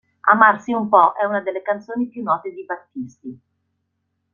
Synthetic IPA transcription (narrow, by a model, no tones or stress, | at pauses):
a̰marsiumpɔʔɛunad̪elːekant̪soːnipjunːɔːt̪ed̪ibat̪ːist̪i